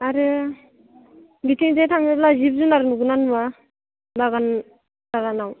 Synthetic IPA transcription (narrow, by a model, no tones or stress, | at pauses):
aɾɯ | bitʰiŋdejtʰaŋeblazip̚zunaɾɯnuɡunanuma | baɡan | baɡanaw